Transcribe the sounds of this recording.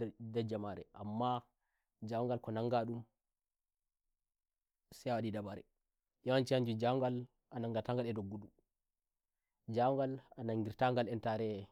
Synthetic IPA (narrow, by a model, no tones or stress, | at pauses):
dɛd͡ʒamaɾɛ̰ʔamːa | d͡ʒawŋɡalkɔnaŋɡaɗum | sɛwaɗidabaɾɛ̰ | jawant͡ʃihaɲd͡ʒud͡ʒawŋɡal | ʔanaŋɡataŋɡalɛdoɡːuɗu | d͡ʒawŋɡalanaŋɡiɾtaŋɡalɛntaɾɛ